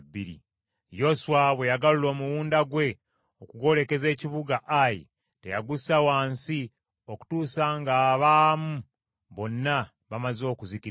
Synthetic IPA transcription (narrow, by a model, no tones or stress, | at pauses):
bːiɾḭ | jo̞suwaβwe̞jaɡalulo̞ːmuwuːndaɡwe̞ | okuɡo̞le̞ke̞ze̞ːciβuɡaʔajḭ | tejaɡusawaːnsi | o̞ku̥tuːsaːŋɡaːβaːmu | βo̞nːa | βamazo̞ːkuzici